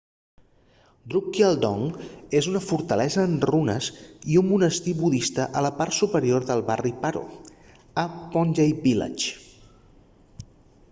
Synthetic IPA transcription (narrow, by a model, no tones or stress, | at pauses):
d̪ɾukːialˠd̪ɔŋezunəfuɾt̪əlɛzəːnrunə̰ziumːunəst̪iβuðist̪əʔələpaɾt̪supəɾioɾðəlˠβaripaɾṵ | əpɔnʲʒejbila̰t͡ʃ